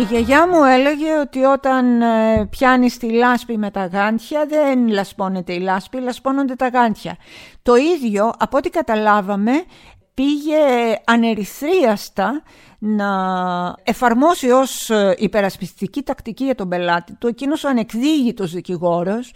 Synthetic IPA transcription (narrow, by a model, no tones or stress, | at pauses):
iʝeʝɐmue̞le̞ʝe̞o̞t̪io̞t̪ɐnpçɐnist̪ilɐspime̞t̪ɐɣɐnt̪çɐðenlɐspo̞ne̞t̪e̞ilɐspilɐspo̞no̞nd̪e̞t̪ɐɣɐnt̪çɐt̪o̞iðʝo̞ʔɐpot̪ikɐt̪ɐlɐvɐme̞ | piʝe̞ɐne̞ɾiθɾiɐst̪ɐ | nɐ | e̞fɐɾmo̞sio̞sipe̞ɾɐspist̪icit̪ɐkt̪iciʝɐt̪o̞be̞lɐt̪it̪ue̞cino̞sɐne̞kðiʝit̪o̞zðiciɣo̞ɾo̞s